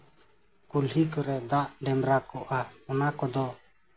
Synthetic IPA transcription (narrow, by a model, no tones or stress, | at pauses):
kulɦikɔɾɛd̪aʔɖɛmɾakɔʔaɔnakɔd̪ɔ